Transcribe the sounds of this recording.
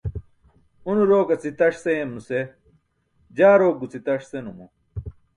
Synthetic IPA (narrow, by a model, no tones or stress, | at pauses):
unuɾoːkɐt͡sit̪ɐʂseemnuse | d͡ʑaːɾoːk̚ːut͡sit̪ɐʂsenumṵ